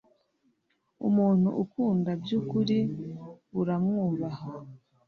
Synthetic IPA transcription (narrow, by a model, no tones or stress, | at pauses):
ṵmuːn̥hṵʔukuːndabjukuɾi | βuɾamŋuːβaha